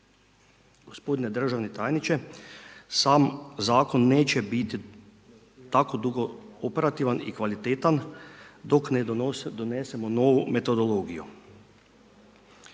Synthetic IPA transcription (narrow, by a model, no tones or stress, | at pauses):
ɡ̥o̞spo̞d̪ine̞d̪r̩ʒaʋnet̪aːjnit͡ʃe | saːmzaːko̞nːe̞ːt͡ʃe̞bit̪i | t̪ako̞d̪uɡoope̞ɾat̪iːʋanikʋalit̪et̪and̪o̞kned̪onesemo̞no̞ʋume̞t̪o̞d̪o̞lo̞ːɡijṵ